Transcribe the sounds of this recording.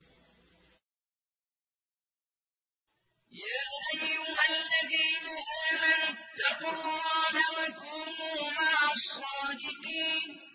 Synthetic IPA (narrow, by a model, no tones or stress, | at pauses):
jaːʔajʊmalːaðiːnaʔaːmant̪ɑqʊlˤːɑːnawakuːmuːmaʕasˤːɑːd̪ɪqiːn